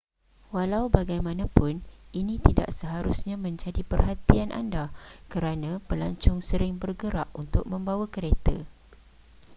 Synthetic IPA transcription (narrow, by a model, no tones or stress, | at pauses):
walawbaɡajmãnãpʊninĩt̪ida̰ʔsəɦaɾusɲãmə̃ɲd͡ʒadipərɦat̪ianʔa̰ndakəɾanãpəlaɲt͡ʃʊŋsəɾɪŋbərɡəɾaʔunt̪ʊk̚mə̃mbawakəɾet̪ə̰